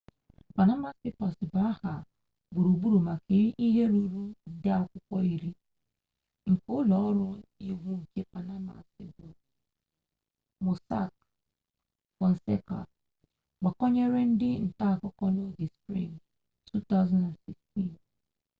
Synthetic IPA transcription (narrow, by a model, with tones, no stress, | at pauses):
pa˨na˦ma˨spɪ˦pa˨sɪ˨ba˨˦a˦ha˨ | ɡ͡bʊ˨ɾu˨bu˦ɾu˨ma˨kʰe˨ɾi˦ʔi˦ɦe˦ɾu˨ɾu˦dɪ˦ɔ˨kʷʊ˦kʷɔ˦i˦ɾi˦ | ŋ̩˨kʊ˦lɔ˨ɔ˦ɾʊ˦i˦ɡʷu˦ŋ̩˨ke˦pa˨na˦ma̰˨sɪ˨bʊ˨ | mo˨sa̰˦˨k̚ | wɔ˨n̩˨se˦ka̰˨ | ɡ͡ba˨kɔ˦ɲe˦ɾe˦n̩˦dɪ˦n̩˨ta˦a˨kʊ˦kɔ˦no˦ɡɪ˨spɾḭ˦˨ŋ | tu˦ta˦ʊzã˦nda˨nsɪ˨ksti˦˨n